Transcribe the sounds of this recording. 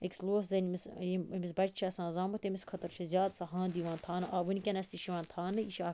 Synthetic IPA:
eksloːszɐnimisimisbɐt͡ʃt͡ʃʰiɐsãːnzaːmut̪emiskʰɐt̪ɐɾt͡ʃʰizʲjaːd̪sɐɦãːnd̪iːʋãːnt̪ʰaːnɨʔaːʋɨnkʲɐnɐsʲt̪iʃiʋãːnt̪ʰaːnɨiʃaː

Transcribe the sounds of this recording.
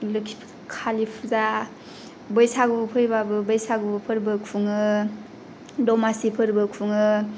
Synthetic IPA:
lɯkʰi̥pʰ | kʰalipʰuza | bɯjsaɡupʰɯɾbabɯbɯjsaɡubpʰɯɾbɯkʰuŋɯ | dɔmasipʰɯɾbɯkʰuŋɯ

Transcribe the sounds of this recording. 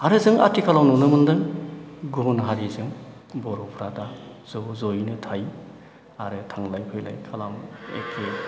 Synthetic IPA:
haɾɯzɯŋa̰tʰikʰalawnɔnɯmɯndɯŋɡunɦaɾizɯŋ | bɔɾɔpʰɾada | zɔzojnɯtʰaj | aɾɯtʰaŋlajpʰɯjla̰jkʰalamḛkʰe

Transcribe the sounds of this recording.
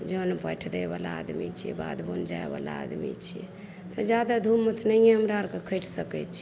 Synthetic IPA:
d͡ʒənepəʈʰd̪ebalaa̰d̪mḭt͡ʃʰiɛ̰ba̰d̪bond͡ʒaeba̰la̰a̰d̪mḭt͡ʃʰiɛ̰ | t̪ɔd͡ʒjad̪ad̪ʱumːət̪ʰnəjẽɦəmɾaɾkekʰəjʈʰsəkɛt͡ʃʰi

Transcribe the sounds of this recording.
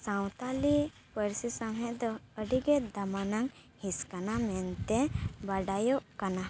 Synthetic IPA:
sawt̪ali | pəɾsisaŋɦɛ̃ʔd̪ɔəɖiɡɛd̪amanaŋ | hiskanamɛnt̪ɛbaɖajɔʔkana

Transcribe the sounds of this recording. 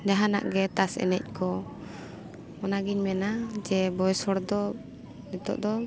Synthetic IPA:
d͡ʒaɦana̰ʔɡɛt̪asɛ̰nɛ̰c̚kʰɔ | ɔnaɡiɲmɛnad͡ʒɛbɔjsɔɽd̪ɔ | nɛt̪ɔ̰ʔd̪ɔ

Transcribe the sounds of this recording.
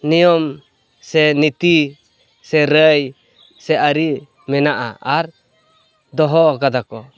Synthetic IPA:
nijɔm | sɛnit̪i | sɛɾəj | sɛʔaɾi | mɛnaʔa̰aɾ | d̪ɔɦɔkad̪akɔ

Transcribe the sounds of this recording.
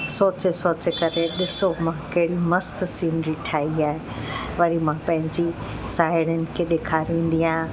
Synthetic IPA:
soːt͡ɕesoːt͡ɕekɐɾeɗɪsomãkɐɦɽimɐst̪siːnɾiʈʰaːiaːɦe | ʋɐɾimãpɐ̃ɦɪ̃ɲd͡ʑi | saːɪɽ̃ənɪ̆kʰeɗeːkʰaːɾĩːn̆d̪ijãː

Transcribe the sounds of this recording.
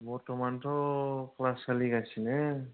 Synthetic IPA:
bɔɹtɔmantʰɔklasaliɡasinɛ

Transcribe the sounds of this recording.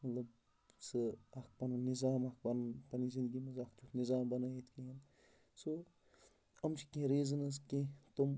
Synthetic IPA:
mɐt̪lɐb | sɨɐk̚pɐnɐnizaːmɐk̚ʰbɐnpɐnizind̪ɡimɐzɐk̚ʰt͡ʃʰuknizaːmbɐnajit̪ʰkeɐn | so | ɐmt͡ʃʰi̥kẽɾeːzɐnɐskẽt̪om

